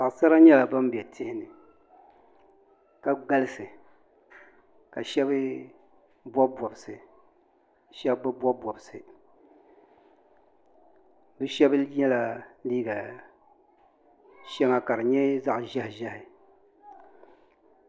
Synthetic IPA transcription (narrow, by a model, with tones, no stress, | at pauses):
sa˨ʔsa˦ɾa˦ɲɛ˦la˨ba˦m˦bɛ˨tʰɪ˦hɪ˦nɨ˨ | ka˨ɡa˦lɨ˦sɨ˨ | ka˨ʃɛ˦bɨ˦ | bɔ˦bɔ˨bɨ˨sɨ˨ | ʃɛ˦bbɨ˦bwɔ˦bɔ˨bɨ˨sɨ˨ | bɨ˦ʃɛ˦bɨ˦jɛ˦la˨liː˦ɡa˨ | ʃɛ˦ŋa˨ka˨ɾɨ˨ɲɛ˦za˦ʔʒɛ˦hɪ˨ʒɛ˦hɪ˨